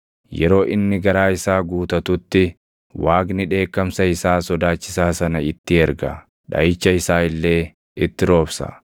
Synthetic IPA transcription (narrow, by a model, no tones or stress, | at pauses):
jɛɾo̞ːʔɪnːɪɡɐɾaːɪsaːɡuːt̪ɐt̪ʊt̪ːɪ | waːɡnɪᶑe̞ːkːɐmsɐɪsaːsɔd̪aːt͡ʃːɪsaːsɐnɐɪt̪ːɪɛɾɡɐ | ᶑɐ̰jɪt͡ʃːɐɪsaːɪlːe̞ː | ɪt̪ːɪɾo̞ːbsɐ̰